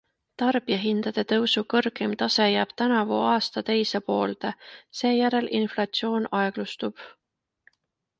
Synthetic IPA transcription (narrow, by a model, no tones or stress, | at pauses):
t̪ɑrb̥ijɑɦind̪̥ɑd̪̥e̞t̪ɤwsukɤrɡemt̪ɑse̞jæːb̥t̪ænɑvuɑːst̪ɑt̪e̞jsepo̞ːlt̪ese̞ːjæɾe̞lʔinflɑt̪sio̞ːnɑeɡ̥lust̪ub̥